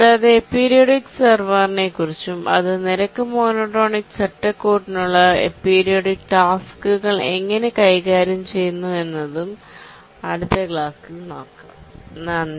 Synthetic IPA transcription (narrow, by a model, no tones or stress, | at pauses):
ɐðaːjɐðe̞pːiːɾijoɖiksɐrʋɐrne̞kːurit͡ɕːumʔɐ̰ðɨniɾɐkːɨmoːnoːʈːo̞ːɳikt͡ɕɐʈːɐkːoːʈːinuɭːɐḛpːiːɾijoɽikʈaːskuɣɐɭe̞̰ŋːɐne̞kɐjɣaːɾjɐmt͡ɕe̞junːue̞nːɐðum | ɐɽut̪ːɐɡɭaːkːɨno̞̰ːkːa̰ːmnɐnː